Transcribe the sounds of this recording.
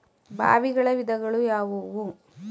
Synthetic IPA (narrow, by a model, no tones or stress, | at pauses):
bʱa̰ːʋiɡɐɭɐʋid̪ɐɡɐɭujaːʋoʋu